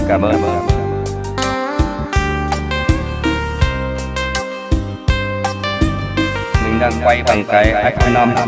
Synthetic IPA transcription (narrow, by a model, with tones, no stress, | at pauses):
kaː˧˩ɓəː˧˩˨ | mï˨˩ŋ̟ɗaː˧ŋɓa˧jɓa˨˩ŋka˨˦jʔaa˦˥k̚na˧m˧